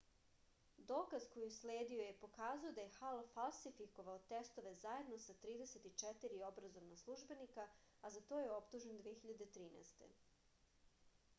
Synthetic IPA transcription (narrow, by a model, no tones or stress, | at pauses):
d̪o̞ːkazkojisleːd̪io̞je̞po̞kaːzujod̪aje̞xalfalˠsifiko̞ʋaot̪e̞st̪o̞ʋe̞zaje̞d̪no̞sat̪ɾiːd̪eset̪it͡ʂɛt̪iɾio̞bɾazo̞ʋnaslˠuʒbe̞nika | azat̪o̞ːjeopt̪uʒend̪ʋiexiʎad̪e̞t̪ɾiːnḛst̪e̞̰